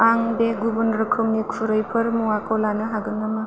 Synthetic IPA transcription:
aŋbeɡubunɾɯkʰɯmnikʰuɾɯjpʰɐɾmuwakʰɔlanɯɦaɡɯnɐmɐ

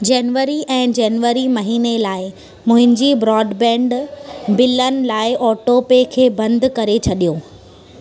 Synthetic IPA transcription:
d͡ʑeːnʋəɾiʔɛ̃ːd͡ʑɛːnʋəɾimɐɦiːnelaːɪ | mʊ̃ɦɪ̃ɲd͡ʑibɾɔːɖbɛ̃ːɳɖbɪlənɪ̆laːɪʔɔːʈopekʰeːbɐ̃nd̪ʱkɐɾet͡ɕʰɐɗijoː

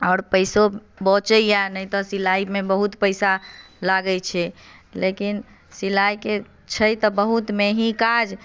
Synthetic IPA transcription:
ɔːɾpəɪso | bɔt͡ʃəjanəjt̪ɔsilaimebəɦut̪pəɪsa | laɡəjt͡ʃʰɛlekin | silajke | t͡ʃʰəjt̪ɔbəɦut̪meɦĩkad͡ʒ

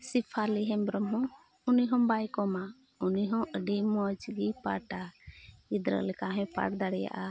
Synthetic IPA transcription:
sipʰaliɦɛmbɾɔmɦɔ̃ | uniɦɔ̃bajkɔma | uniɦɔ̃ʔəɖɛmɔd͡ʒɡipa̰ʈaid̪ɾə̰lɛkaɦɛ̃pa̰ʈd̪aɽɛja̰ʔa

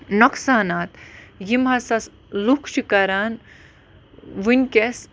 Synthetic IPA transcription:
nɔksaːnat̪jimɦɐsɐs | lukʰʃikɐɾaːn | ʋunʲkʲes

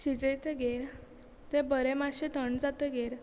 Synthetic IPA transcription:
ɕid͡zejt̪eɡeɾ | t̪ẽbəɾemaɕet̪əɳd͡zat̪əɡeɾ

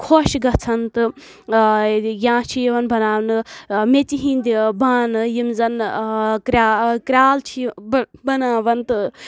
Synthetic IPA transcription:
kʰoʃɡɐt͡sʰɐnt̪ɨ | jãːt͡ʃʰijʋɐnbʱɐnaːwnɨmet͡siɦĩnd̪ibaːnɨjimzɐnkɾakɾʲaːlt͡ʃʰibɐnaːʋɐnt̪ɨ

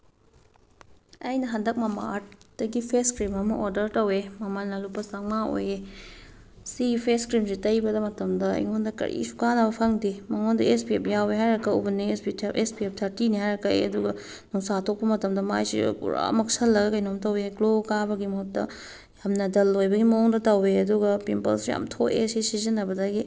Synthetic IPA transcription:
ɐjnɐɦɐndɐk̚mɐma̰aɾt̚d̥ɐɡipʰeskɾimɐmɐ̰ʔoɾdɐɾtɐwemɐmanːɐlupːɐsaŋmao̰je | sipʰeskɾimsitɐjbɐdɐmɐtɐmdɐɐ̰jŋondɐkɐ̰ɾʔḭsu̥kanɐbɐpʰɐŋdimɐŋondɐespiepjaweɦajɾɐkːɐubɐnispiespiep̚tʰɐɾtinihajɾɐkːɐḭɐ̰duɡɐ | nuŋsatʰok̚pɐmɐtɐmdɐma̰jsḭkṵɾa̰mɐk̚sɐlːɐɡɐkɐjnomtɐweklokabɐɡimɐɦok̚tɐ̰ | jamnɐdɐlːojbɐɡimɐoŋdɐtɐweɐduɡɐpimpɐ̰lsja̰mtʰoḛsisizinːɐbɐdaɡi

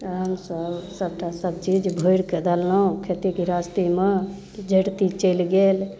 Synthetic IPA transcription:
t̪əɦəmsəbsəb̚ʈasəb̚t͡ʃid͡ʒbʱoɪɽked̪alːaũkʰet̪ikiɾast̪ime | d͡ʒʱəɽt̪it͡ʃəlɡel

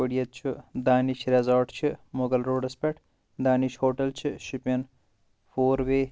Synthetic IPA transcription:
oɽijɐt̪̚t͡ʃʰid̪aːniʃɾɐzaːʈt͡ʃʰimoɡɐlɾoːɖɐspeʈʰ | d̪aːniʃhoːʈɐlt͡ʃʰiʃipɐn | foːɾʋeː

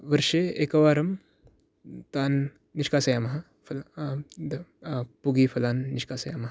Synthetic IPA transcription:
ʋɐɾʂeekɐʋaːɾɐm | t̪aːnː | iʂkaːsɐjaːmɐɦɐ | fɐla | puɡiːfʰɐlaːnːiʂkaːsɐja̰ːmɐɦɐ

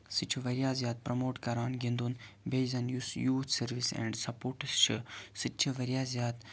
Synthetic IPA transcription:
sɨt͡ʃʰiʋɐɾjaːzjaːd̪̚pɾɐmoːʈkɐɾaːnɡĩnd̪unbejzɐnjusjuːt̪ʰsɐɾʋisɛ̰̃ːɳɖsɐpoːɾʈɨst͡ʃʰisɨt͡ʃʰiʋɐɾjaːzjaːd̪

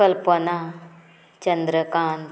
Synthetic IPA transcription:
ɐlpɐna | t͡ɕɐnd̪ɾɐkaːn

